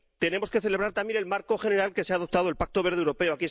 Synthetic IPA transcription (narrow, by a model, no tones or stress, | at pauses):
t̪e̞ne̞mo̞ske̞θe̞leβɾaɾt̪ambje̞nelmaɾko̞xe̞neɾalke̞seaðo̞p̚t̪aðolpak̚t̪o̞βe̞ɾð̞ewɾo̞pe̞oaki